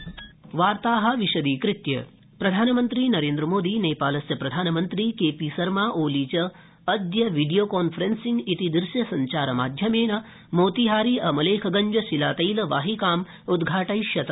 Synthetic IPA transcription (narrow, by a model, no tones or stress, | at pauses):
ʋaːɾt̪aːɦɐ̆ʋiʃɐd̪iːkɾɪt̪jɐ̰ | pɾɐd̪ʱaːnɐmɐnt̪ɾiːnɐɾeːnd̪ɾɐmoːd̪iːneːpaːlɐsjɐpɾɐd̪ʱaːnɐmɐnt̪ɾiːkeːpisɐɾmaːʔoːliːt͡ʃɐː | d̪jɐʋiɖijoːkɔːnfʰɾensiŋɡit̪id̪ɾɪʃjɐsɐɲt͡ʃaːɾɐma̰ːd̪ʱjɐmeːnɐ | moːt̪iɦaːɾiːʔɐmɐleːkʰɐɡɐɲd͡ʒɐsilaːt̪ɐjlɐʋaːɦikaːm | ud̪ɡʱaːʈɐjʃjɐt̪ɐ